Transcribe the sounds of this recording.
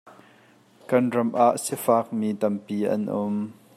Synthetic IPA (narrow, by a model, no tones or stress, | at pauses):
kɐnrɐmʔaʔsɛfaːk̚miːt̪ɐmpiːʔɐ̰nʔʊm